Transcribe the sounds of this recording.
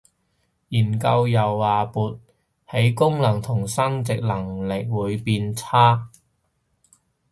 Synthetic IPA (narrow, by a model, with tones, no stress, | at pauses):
jiː˨˩nkɐ˧wjɐ˨˩waː˨puː˨t̚ | he˨˥jkʊ˥ŋlɐ˨˩ŋt̪ʰʊ˨˩ŋsɐ˥ŋt͡sɪ˨k̚lɐ˨˩ŋlɪ˨k̚wuː˨˧jpiː˧nt͡sʰaː˥